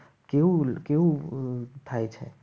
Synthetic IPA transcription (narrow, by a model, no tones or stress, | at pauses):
keukeu | t̪ʰajt͡ʃʰɛ̰